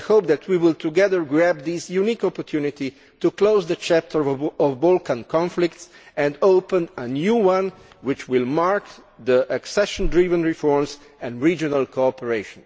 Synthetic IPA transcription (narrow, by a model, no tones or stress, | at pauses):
hoʊp̚d̪æt̪ʰwiwɪlt̪ʰuɡɛðəɹɡɹæb̚d̪isjunikɔpɔɹt̪ʰjunit̪i | tukloʊzðət͡ʃæp̚tʰə˞ɔvbolkãnkʰɔ̃nflɪk̚ts | ɛ̃ndoʊpə̃nənjuwãn | wɪt͡ʃwɪlmaɹkd̪iʔəksɛʃɔ̃ndɹivə̃nɹifɔɹms | ɛ̃nɹid͡ʒɔnalkʰoɔpəɹeɪʃɔ̃n